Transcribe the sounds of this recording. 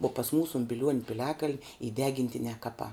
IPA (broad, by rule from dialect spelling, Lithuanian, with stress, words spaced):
uɔ pɐs ˈmuːsʊ ʊn bʲɪˈlʲuɔnʲ pʲɪˈlʲæːkɐlʲnʲ iː ˈdʲæːɡʲɪnʲtʲɪnʲɛː ˈkɑːpɑː